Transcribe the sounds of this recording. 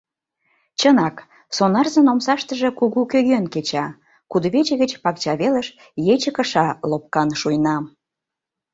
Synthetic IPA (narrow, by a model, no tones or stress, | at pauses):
t͡ɕənɑk | sonɑrzə̆nomsɑʃt̪əʒĕkuɣukøɣønket͡ɕɑ | kud̪βet͡ɕĕɣə̆t͡ɕpɑk̚t͡ɕɑβelə̆ʃ | jet͡ɕəkə̆ʃɑlop̚kɑnʃujnɑm